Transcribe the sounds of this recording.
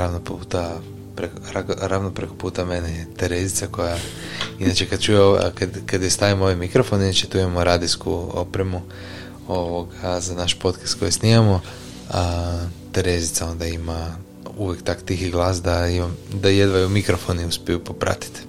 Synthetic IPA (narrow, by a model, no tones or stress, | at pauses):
ɾaʋnoput̪a | pɾekɾaɾaʋnopɾeko̞̥puːt̪ame̞nejet̪eɾezit̪sako̞jainat͡ʃe̞kad̪̚t͡ʃujeokad̪kad̪jest̪aʋimo̞ʋajmikɾo̞fo̞ninat͡ʃet̪uimamoɾaːd̪iskṵo̰pɾemu | o̞ʋo̞ɡazanaʃpo̞t̪kḁst̪ko̞jesniamo | at̪eɾezit̪sao̞nd̪aima | uʋjekt̪akt̪ixiɡlˠaːsd̪aimamd̪ajed̪ʋajumikɾofo̞niuspʲijupopɾa̰t̪i̥t̪